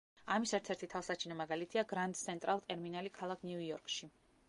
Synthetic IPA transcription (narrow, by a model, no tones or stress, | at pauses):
amisɛɾt̪ʰɛɾt̪ʰit̪ʰafsat͡ʃʰinɔmaɡalit̪ʰiaɡɾant̪ʼt̪sʰɛnt̪ʼɾalˠt̪ʼɛɾminalikʰalˠakʰnuuɔɾkʼʃi